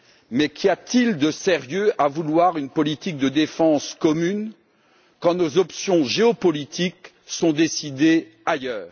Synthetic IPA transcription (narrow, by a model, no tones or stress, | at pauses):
mɛkʲʰiat̪ild̪əseʁjøavulwaʁynpɔlit̪ik̚d̪əd̪efɑ̃skɔmyn | kɑ̃nozɔpsjɔ̃ʒeɔpɔlit̪ʰik | sɔ̃d̪esid̪e | ajœːʁ